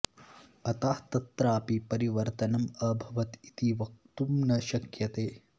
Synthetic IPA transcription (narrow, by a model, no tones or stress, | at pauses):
ɐt̪aːht̪ɐt̪ɾaːpipɐɾiʋɐɾt̪ɐnɐmɐbʱɐʋɐt̪it̪iʋɐk̚t̪umnɐʃɐkjɐt̪eː